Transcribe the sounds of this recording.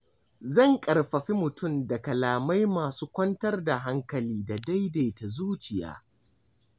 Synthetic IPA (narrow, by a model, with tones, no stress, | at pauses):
zɐ˦˨ŋkʼɐ˨rɸɐ˨ɸi˦mʊ˨tʊ˦˨mda˨kɐ˨laː˨ma˦jmaː˨suː˦kʷɐ˦ntɐ˦rda˨ɦa˦ŋkɐ˨liː˦da˨da˦jdeː˨ta˨zuː˦t͡ʃɪ˨ja̰ː˦